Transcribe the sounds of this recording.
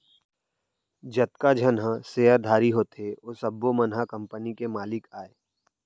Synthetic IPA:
d͡ʒɐt̪̚kad͡ʒʱənɦə̃seːəɾd̪ʱaːɾiɦoːt̪eoːsɐbːomənɦakə̃mpənikemaːlɪkaːeː

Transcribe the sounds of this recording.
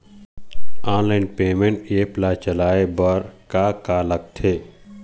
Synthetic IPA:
aːnlaːɪnpeːmẽɳʈeːplat͡ʃəlaːebəɾkakaːlək̚t̪ʰeː

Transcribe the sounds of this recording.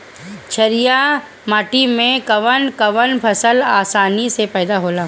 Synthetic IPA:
t͡ʃʰɐɾija | maːʈimẽkɐʋənkɐʋənpʰɐsəlaːsaːnisepɛːd̪aɦoːlaː

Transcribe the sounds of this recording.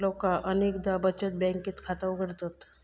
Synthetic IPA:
lokaʔəneːkd̪abət͡ʃət̪̚bɛ̃ŋkːit̪kʰat̪aukəɾt̪ot̪

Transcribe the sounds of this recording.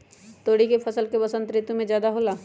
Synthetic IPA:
t̪oːɽikepʰɐsəlkebɐsənt̪ɾɪt̪ːumẽd͡ʒjaːd̪aɦoːlaː

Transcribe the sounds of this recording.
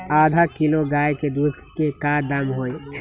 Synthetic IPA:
aːd̪ʱakɪloɡaːjked̪uːd̪kekad̪ɐmɦoːe

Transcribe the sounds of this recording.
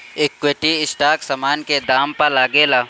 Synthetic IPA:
ɪkːweːʈiɪsʈaːksɐmaːnked̪aːmpɐɾlaːɡeːlaː

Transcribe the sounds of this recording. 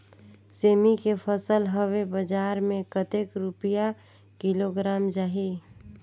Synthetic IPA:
seːmikepʰəsəlɦəwebəd͡ʒaːɾmẽkət̪ekɾʊpija | kɪloɡɾaːmd͡ʒaːɦi

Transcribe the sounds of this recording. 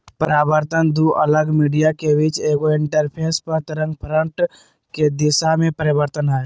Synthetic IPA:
pəɾaːbəɾt̪ənd̪uʔələɡmiːɖijakeʋɪt͡ʃeːɡoɪ̃ɳʈəɾpʰeːspəɾt̪ɪɾə̃ŋɡ̚pʰɾəɳʈ | ked̪ɪʃamẽpəɾɪbəɾt̪ənɦɛː

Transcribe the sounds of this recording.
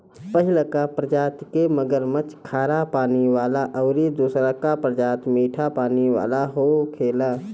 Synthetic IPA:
pəɦɪlkapɾəd͡ʒaːt̪keməɡəɾmət͡ʃkʰaːɾapaːniwaːlaʔəʊɾid̪uːsɾakapɾəd͡ʒaːt̪miːʈʰapaːniʋa̰ːlaɦokʰeːlaː

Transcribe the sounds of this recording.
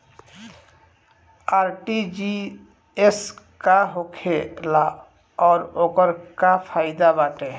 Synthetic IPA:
aːɾʈid͡ʒi | es | kaɦokʰela | ɔːɾokəɾkapʰaːɪd̪abaːʈe

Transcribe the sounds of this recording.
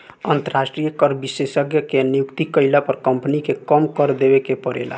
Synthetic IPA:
ənt̪əɾasʈɾijəkəɾbisesəɡjəkenijukt̪ikəɪlapəɾkəmpnikekəmkəɾd̪ebekepəɽḛla̰

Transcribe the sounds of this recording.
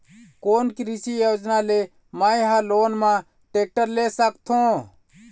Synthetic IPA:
koːnkɾisijoːd͡ʒnaːleː | maːiɦaːloːnmã | ʈeːk̚ʈəɾleːsəkt̪ʰõː

